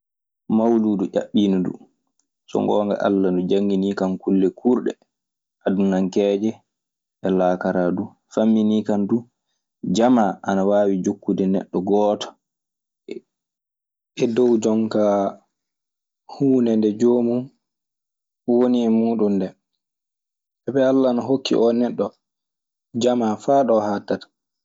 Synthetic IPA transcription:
mawluduʔa̰ɓːiːnudṵ | sɔ̰ŋɡɔːŋɡa̰ʔa̰lːandud͡ʒaŋːɡinikankulːɛkʰuɾɗɛ̰ | ʔadunaŋkɛːd͡ʒɛ | ʔɛlaːkaɾadu | famːiniːkandu | d͡ʒamaʔanawaːwid͡ʒokːudɛnɛ̰ɗːɔɡɔːtɔ̥ | ɛdɔwd͡ʒɔŋka | huːnɛndɛd͡ʒoːmu | woniɛmuːɗundɛ | ɛbɛalːanaɦokːḭʔɔnɛɗːɔ | d͡ʒamafaːɗɔhaːtːatḁ

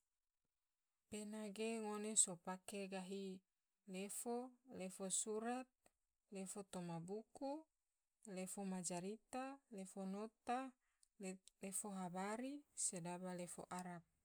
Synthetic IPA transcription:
penaɡeŋonesopakeɡaɦi | lefolefosuɾat̪̚ | lefot̪omabuku | lefomad͡ʒaɾit̪alefonot̪a | lefoɦabaɾisedabalefo̰ʔaɾap̚

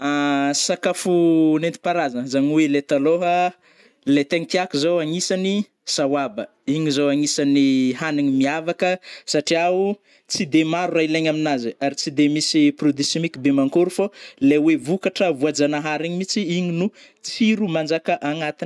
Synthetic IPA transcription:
asakafunent̪i̥paɾazəzaɲiwelet̪aloɦə | let̪eŋit̪iakuzowaŋisani | sawabə | iɲizowaŋisaniɦaniɲimiavakəsaʈ͡ʂiau | t͡sid̪emaɾurajileɲaminaziaɾit͡sid̪emisiprod̪isemikibemaŋkoɾufolewevukaʈ͡ʂəvuad͡ʒanaɦaɾiɲimit͡siiɲinu | t͡siɾumand͡ʒakəʔaŋat̪in

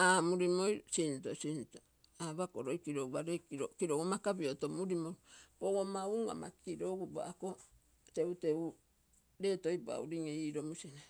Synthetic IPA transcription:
amuɾimojsintosinto | aβakoɾojkiɾouβaɾekiɾokiɾoɡomakabiotomuɾimojpoɡomauŋa̰ma̰kiɾo̞ɡuba̰ʔako̞ | te̞ute̞u | ɾe̞ːto̞jpua̰uɾiŋeiːɾo̞musina

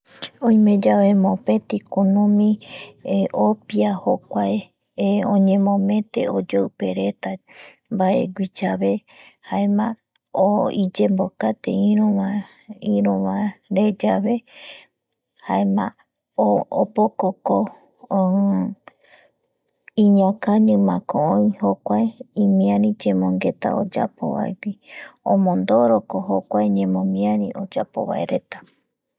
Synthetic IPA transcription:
õj̃mẽ̞d͡ʒaʋemõpe̞t̪ikonõmĩ | ʔopiahokʷae | õɲẽ̞mõmẽ̞t̪e̞̰od͡ʒoɨpe̞ɾe̞t̪a | mbaʔḛɡʷit͡ʃaβe̞haemã | oid͡ʒembokat̪ḛĩɾõa | ĩɾõʋãɾe̞d͡ʒaβe̞ | haemã̰ | oopokoko | ĩɲãkaɲɨ̃mãkõõĩhokʷaeĩmĩãɾĩd͡ʒemõŋɡe̞t̪a̰o̰d͡ʒa̰po̰βa̰ewiõmõnd̪oɾokoɦokʷaeɲẽmõmĩãɾĩʔod͡ʒapo̞̰βa̰eɾe̞t̪ḁ

